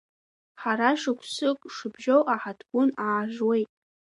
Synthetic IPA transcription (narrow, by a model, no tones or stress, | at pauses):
ħaɾaʂɨkʷʰsɨkʼʂɨbʒowʔaħatʰɡʷʊnaːʒwe̞jtʼ